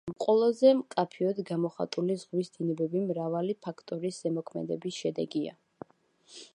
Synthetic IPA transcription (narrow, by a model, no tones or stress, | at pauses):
mqʼɔlˠɔzɛmkʼapʰiɔd̪ɡamɔχa̰t̪ʼulizʁwisd̪̥inɛbɛbimɾavalipʰakʰt̪ʼɔɾisɛmɔkʰmɛ̰d̪ɛ̰bisʃɛd̪ɛɡia̰